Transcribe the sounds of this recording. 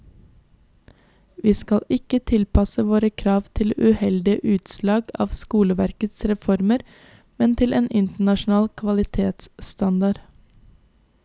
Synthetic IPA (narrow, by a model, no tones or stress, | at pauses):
ʋiːskɑlɪkət̪ʰɪlpʰɑsəʋoːɾəkʰɾɑːʋt̪ʰɪlʉhɛld̪ɪəʔʉːt̪slɑːɡɑ̰ːʋskuːləʋæɾkət̪sɾɛfɔɾməɾ | mɛnt̪ʰɪlʔeːnʔɪnt̪əɳɑʃn̩ɑːlkʰʋɑlɪt̪ʰeːt̪sst̪ɑnd̪ɑɾ